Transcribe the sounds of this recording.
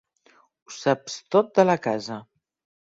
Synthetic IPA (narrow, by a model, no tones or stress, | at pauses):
usapst̪ot̪̚d̪ələkazə